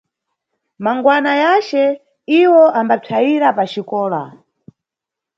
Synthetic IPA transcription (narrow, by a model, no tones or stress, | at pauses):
maŋɡwanajat͡ʃɛ | iwɔʔambatʰaiɾapat͡ʃikɔːla̰